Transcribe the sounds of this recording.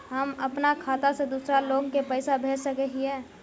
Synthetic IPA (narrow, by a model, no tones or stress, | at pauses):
ɦəməpnakʰaːt̪ased̪uːsɾaloːɡkepəɪsabʱeːd͡ʒsəkəɦiɛ̃ː